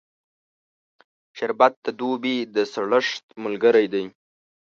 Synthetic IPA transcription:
ʃaɾbat̪̚d̪əd̪ubid̪əsaɽəʂt̪̚məlɡəɾajd̪aj

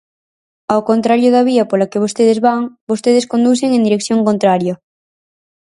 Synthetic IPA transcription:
awkont̪ɾaɾjoðaβ̞iapoɾlakeβ̞ost̪eð̞ezβaŋbost̪eðeskond̪uθ̬eŋẽnd̪iɾekθjõŋkont̪ɾaɾjo

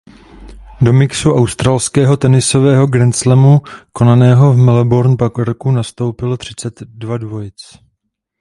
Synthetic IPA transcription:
do̞mɪksuʔawst̪ɾaːlskɛːɦo̞t̪ɛnɪso̞vɛːɦo̞ɡɾɛnt͡slɛmuko̞nanɛːɦo̞vmɛlɛboɾnpakɛɾkunast̪o̞wpɪlt̪r̝̥ɪt͡sɛt̪dvadvo̞jɪt͡s

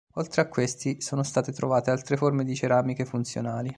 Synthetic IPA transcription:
olt̪ɾeakːwest̪isoːnost̪aːt̪et̪ɾovaːt̪ealt̪ɾeformed̪it͡ʃeɾaːmikefunt̪sjo̰naːli

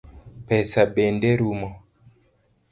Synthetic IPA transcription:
pɛsabendeɾumɔ

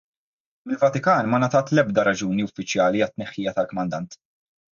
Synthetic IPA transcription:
mɪlvɐt̪ɪkɐːnmɐnɐt̪ɐːt̪lɛbd̪ɐɾɐd͡ʒuːniʊfːɪt͡ʃjɐːliɐt̪ːnɛħːiːjɐt̪ɐlkɔmɐnd̪ɐnt̪

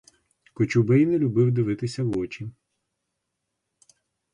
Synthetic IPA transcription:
kʊt͡ʃubɪjnɛlʲʊbɪwd̪ɪʋɪt̪ɪsʲɐwɔt͡ʃi

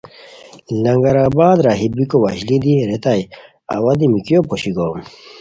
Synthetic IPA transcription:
lɐŋɡɐɾabaːd̪ɾaɦibikowɐʑlid̪iɾet̪aj | ɐ̰wɐd̪imikijopʰoɕiɡom

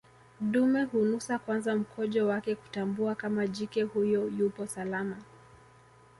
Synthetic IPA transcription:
ɗumɛhunusakwanzam̩kʰɔʄɔwakɛku̥tambuakamaʄikɛhujɔjupɔsalama

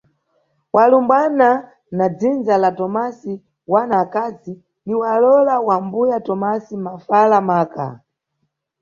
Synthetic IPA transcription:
walumbana | nad͡zind͡zalatɔmasi | wanaːkazi | niwalɔlawambujatɔmasimafalamaːka̰

